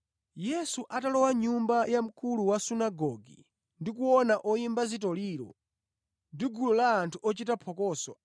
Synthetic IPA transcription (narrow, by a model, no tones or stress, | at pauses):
jɛsuʔatalɔwaɲumbajam̩kuluwasunaɡɔɡḭ | ndikuɔnaʔɔimbazitɔliːɾɔ̰ | ndiɡulɔlaːntʰuɔt͡ʃitapʰɔkɔːsɔ